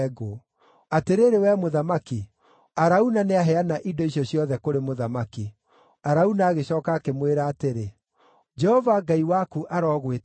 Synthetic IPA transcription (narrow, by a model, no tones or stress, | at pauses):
ɡo | ateɾeɾewɛmoðamaki | aɾaunaneaɦɛanaʔidɔisjɔsjɔðɛkoɾemoðamaki | aɾaunaːɣeɕɔːkaːkemweɾaːteɾe | d͡ʒɛhɔvaɡaiwakuʔaɾɔːɣwet